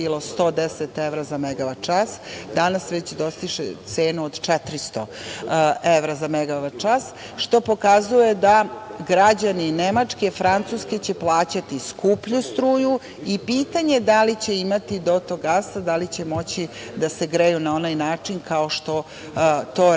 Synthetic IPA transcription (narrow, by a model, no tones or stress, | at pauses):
ilo̞st̪o̞ːd̪eset̪eʋɾazameɡaʋat͡ʃasd̪anasʋet͡ɕd̪o̞st̪iʃḛt̪se̞ːnuod̪t͡ʃɛt̪ɾist̪o | eʋɾazameɡaʋat͡ʃas | ʃt̪o̞po̞kazujed̪aɡɾad͡ʑaninemat͡ʂkefɾant̪suske̞t͡ɕe̞plˠaːt͡ɕat̪iskupʎust̪ɾuːju | ipiːt̪aɲe̞d̪alit͡ɕe̞imat̪id̪o̞t̪oɡasad̪alit͡ɕe̞mo̞t͡ɕid̪aseɡɾejunao̞najnaːt͡ʂinkʰao̞ʃt̪o̞ | t̪o